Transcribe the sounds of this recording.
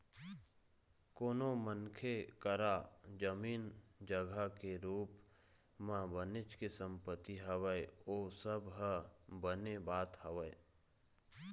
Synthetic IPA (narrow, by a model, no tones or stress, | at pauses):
koːnomənkʰekəɾad͡ʒəmiːnd͡ʒəɡʱakeɾuːp | mãbənɪt͡ʃkesə̃mpət̪ːiɦəʋəeoːsəbɦəbənebaːt̪həʋəe